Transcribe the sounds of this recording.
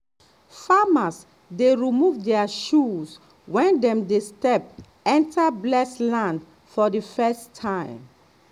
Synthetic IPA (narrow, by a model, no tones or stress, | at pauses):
famas | deɹimuvdɛaʃus | wɛ̃ndɛ̃mdestɛp̚ | ɛ̃ntʰablɛslãnd | fɔdifɛstʰːãɪ̃m